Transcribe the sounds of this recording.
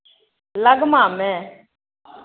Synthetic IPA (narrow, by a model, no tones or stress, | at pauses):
ləɡmãːmɛ̃ː